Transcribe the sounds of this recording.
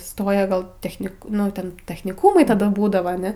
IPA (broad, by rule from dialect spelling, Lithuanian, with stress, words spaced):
ˈstoːjɛ ˈɡɐlˠ tʲɛxʲˈnʲɪk ˈnʊ tʲɛn tʲɛxʲnʲɪˈkuːmɐɪ tɐˈdɐ ˈbuːdɐʋɐ ɐˈnʲɛ